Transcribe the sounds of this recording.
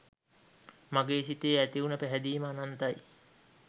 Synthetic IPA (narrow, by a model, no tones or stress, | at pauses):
maɡeːsit̪eːæt̪iunəpæɦæd̪iːməːnant̪aj